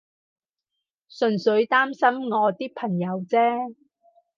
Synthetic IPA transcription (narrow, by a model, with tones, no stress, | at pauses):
sɵ˨˩nsɵ˨˧ɥt̪aː˥msɐ˥mŋɔː˨˧t̪iː˥k̚pʰɐ˨˩ŋjɐ˨˧wt͡sɛː˥